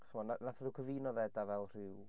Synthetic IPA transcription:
χəmɔnanaθðɪwkʰəviːnɔvɛdavɛlˠr̥ɪw

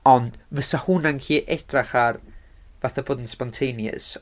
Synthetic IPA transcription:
ɔnd̥vəsahunankʰiːʔɛd̥raχar | vaθaboːdn̩spɔntʰejnjə̰s

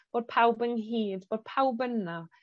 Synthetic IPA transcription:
b̥oːd̥̚pʰawbənɦiːdboːd̥̚pʰawbəna

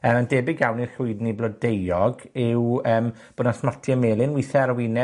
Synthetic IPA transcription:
əəndɛːbɪɡjawnirɬʊɨdniblɔdejɔɡɪwəːmb̥odnasmatʰjəmeːlˠɪnwiθɛaɾwɪnɛ

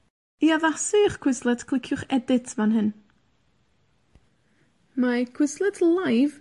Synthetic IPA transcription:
iavasiχkʰw̥ɪslˠɛtkʰlˠɪkʰjʊχɛdɪtʰvanɦɪn | makʰw̥ɪslˠɛtʰlˠajv

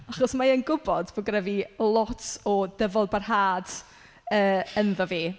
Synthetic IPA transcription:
aχɔsmaənɡʊbɔdboɡrɛvilˠɔtʰɔdəvɔlˠbarɦaːd̥ | əːənðɔviː

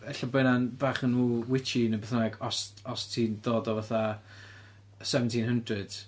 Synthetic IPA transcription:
əɬəbɛnanbaːχənːuːwɪt͡ʃinəbɛθnaɡɔsɔstʰindoːdɔvaθa | sɛvəntʰinhəndrɨd̥

